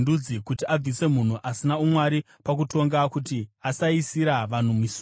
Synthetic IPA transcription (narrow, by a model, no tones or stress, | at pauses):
dud͡zikutiab͡vise̞mun̤uʔasinaumwaɾi | pak̬uto̞ŋɡakutiasaisiɾaʋan̤umisu